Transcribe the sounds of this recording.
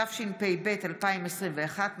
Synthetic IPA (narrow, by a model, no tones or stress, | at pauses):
afʃinpejbe̞talpaimesʁimveaχatm